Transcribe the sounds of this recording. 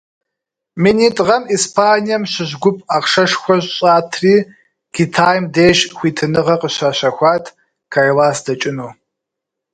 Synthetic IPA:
miniːtʼʁɐmiːspʰaːnijɐmɕɪʑɡʷʊpʼaqʂɐʂxʷɔɕʼɕʼaːtʰriː | kʰitʰaːjmdeːʃxʷiːtʰɨnɨʁɐqəɕaːɕɐxʷaːtʰ | kʰalaːsd̥ɐt͡ʃʼɪnuː

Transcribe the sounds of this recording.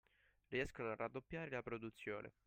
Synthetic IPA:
riɛskonoarːad̪ːopːjaːɾelapɾod̪ut̪sːjo̰ːnʔḛ

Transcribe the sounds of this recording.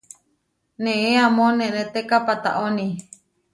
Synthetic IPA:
nẽʔeamõnẽʔnet̪ekapat̪a̰ʔonĩ

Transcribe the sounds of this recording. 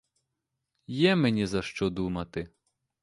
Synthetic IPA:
jɛmenʲizɐʃt͡ʃɔd̪umɐt̪ɪ

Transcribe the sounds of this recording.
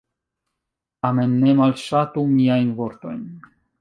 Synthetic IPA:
tame̞nːe̞malʃatumiajnvo̞ɾto̞̰jn

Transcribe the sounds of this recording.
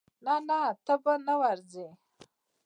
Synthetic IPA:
nanat̪abanawaɾze

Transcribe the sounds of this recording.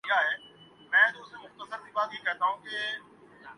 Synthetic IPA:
aɦeː | mɛ̃ːd̪uːsɾmʊxt̪əsəɾd̪iːbaːt̪ɦikɛɦt̪aːɦũke

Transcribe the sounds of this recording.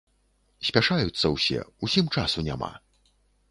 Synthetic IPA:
sʲpʲaʂajut̪sːɐwsʲɛ̰usʲimt͡ʂasunʲa̰ma̰

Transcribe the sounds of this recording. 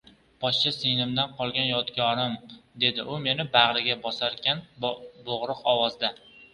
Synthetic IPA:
b̥ɒʃt͡ʃasenɪmd̪anqʰɒlˠɡʲanjɒt̪kʲʰɒɾɪmd̪e̞d̪ɪʔʊme̞nɪbaʁɾɪɡʲabɒsaɾkʲanboʁɾʊqɒwɒzd̪a

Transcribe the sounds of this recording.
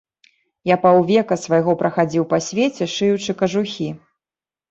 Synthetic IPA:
japawvʲɛkɐsvɐjɣɔpɾɐxad͡zʲiwpɐsʲvʲet͡sʲɛʂɨjut͡ʂɨkɐʐuxʲi

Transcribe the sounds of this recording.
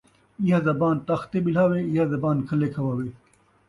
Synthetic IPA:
iɦazɐbaːnt̪ɐxt̪eːbilaːweːiɦazɐbaːnkʰɐleːkʰɐʋaːweː

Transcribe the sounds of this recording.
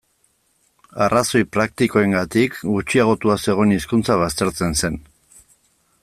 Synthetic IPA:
araso̞jpɾak̚t̪iko̞e̞ŋɡat̪ikɡut͡ʃiaɣ̞o̞t̪uase̞ɣ̞o̞niskunt͡saβ̞ast̪e̞ɾt͡se̞nse̞n

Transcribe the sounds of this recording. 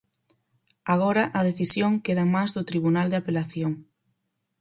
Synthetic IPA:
aɣoɾɐʔɐð̞eθisjoŋkeðɐmazðʊt̪ɾiβunald̪eapelaθjoŋ

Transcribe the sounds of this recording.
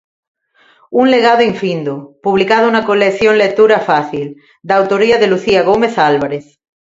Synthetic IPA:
unleɣaðoiɱfĩnd̪opuβ̞likaðounakolekθjoŋlek̚t̪uɾafaθil | d̪aːwt̪oɾiaðeluθiaɣ̞ome̞θalβaɾeθ

